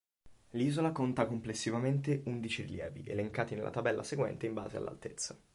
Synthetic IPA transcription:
liːzolakont̪akomplesːivament̪eʔund̪it͡ʃiɾiljɛːviʔeleŋkaːt̪inelːʔa̰t̪abɛlːʔa̰seɡwɛ̰nt̪eimba̰ːzea̰lːa̰lt̪et̪sːa

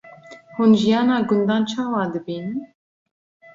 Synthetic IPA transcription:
hunʒijɑːnɑːɡʊnd̪ɑːnt͡ʃʰɑːwɑːd̪ɨbiːnɨ

